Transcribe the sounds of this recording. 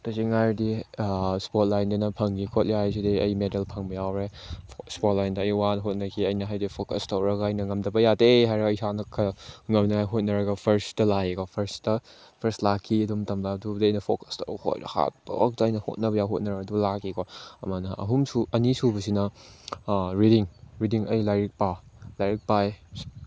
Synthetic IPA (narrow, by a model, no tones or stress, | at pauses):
tɐsiŋajɾdi | spot̚lajndɐnɐpʰɐŋɡikʰot̚liajs̬idiɐjmedɐlpʰɐŋbɐjawɾe | spot̚lajndɐɐjwanɦot̚nɐkʰiɐjnɐɦajdipʰokɐstɐwɾɐɡɐɐjnɐŋɐmdɐbɐjadeɦajɾɐɐjsanɐkʰːɐŋɐmnɐŋajɦot̚nɐɾɐɡɐpʰɐɾstɐlajekopʰɐɾstɐ | pʰɐɾstlakʰːiɐdumtɐmladudiɐjnɐpʰokɐ̥sto̰who̰jɾɐ̰ha̰t̚bɐ̰k̚dɐːjnɐho̰t̚nɐbɐjawɦot̚nɐɾɐɡɐdulakʰikʰoɐ̰manɐʔɐɦumsuɐnisubɐsinɐ | ɾidiŋɾidiŋɐjlajɾik̚palajɾik̚paj